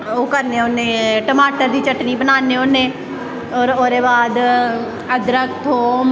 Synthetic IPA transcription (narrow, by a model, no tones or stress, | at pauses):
oːkəɾneːoneːʈəmaːʈəɾd̪iːt͡ʃəʈniːbənaːneːoːnẽː | ɔːɾoːɾeːbaːd̪ | əd̪ɾək̚ʰt̪ʰoːm